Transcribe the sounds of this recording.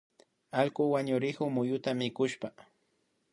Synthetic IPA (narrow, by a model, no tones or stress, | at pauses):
alkʊwaɲʊɾɪkʊmʊjʊt̪amɪkʊʃpa